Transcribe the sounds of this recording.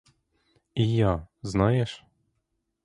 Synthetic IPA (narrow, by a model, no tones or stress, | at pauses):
ijaznajɛʃ